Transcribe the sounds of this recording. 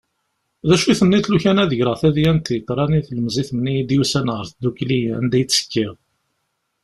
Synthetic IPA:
ðæʃuθənːiθluçænæðəʝɾəʁθæðjænt̪jət̪ːɾˤɑniθləməziθənːijd̪jusænʁəɾθəd̪ːukliænd̪æjt͡sːə̥kːiʁ

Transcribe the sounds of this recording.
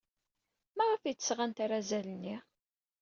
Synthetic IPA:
mæʁəfijt͡sːəsʁant̪aɾˤazælənːi

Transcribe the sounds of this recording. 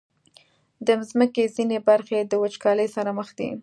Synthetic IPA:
d̪əzməkezinebaɾxed̪əwət͡ʃkɑləjsaɾaməxd̪ḭ

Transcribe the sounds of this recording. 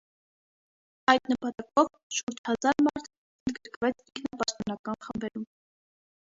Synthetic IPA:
ɑjd̪̥nəpɑt̪ɑkɔv | ʃuɾt͡ʃʰhɑzɑɾmɑɾt̪ʰ | ənd̪̚ɡəɾkvɛt͡sʰiŋkʰnɑpɑʃt̪ɔnɑkɑnχəmbɛɾum

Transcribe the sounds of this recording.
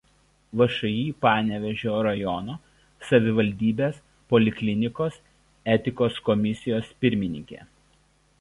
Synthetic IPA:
ʋɐʃɐjiːpɑːnʲɛʋʲɛʒʲoːɾɐjɔnoː | sɐʋʲɪʋɐlʲd̪ʲiːbʲeːs | pɔlʲɪkʲlʲɪnʲɪkoːs | ɛt̪ʲɪkoːskɔmʲɪsʲɪjoːspʲɪɾʲmʲɪnʲɪ̰ŋʲkʲḛː

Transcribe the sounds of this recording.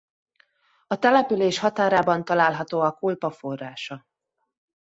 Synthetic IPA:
ɒt̪ɛlɛpyleːʃhɒt̪aːɾaːbɒnt̪ɒlaːlɦɒt̪oːɒkulpɒfo̞rːaːʃɒ

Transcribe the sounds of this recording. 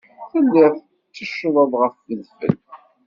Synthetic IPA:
θəlːɪθ | t͡sːəʃːəðˤəðˤʁəfðəðfə̰l

